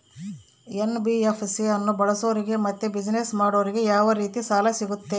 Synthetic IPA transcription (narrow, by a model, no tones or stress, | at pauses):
enbiepʰsiɐnːubɐɭɐsoːɾiɡe̞mɐt̪ːebid͡ʒinesmaːɽoːɾiɡe̞jaːʋɐɾiːt̪isaːlɐsiɡut̪ːe̞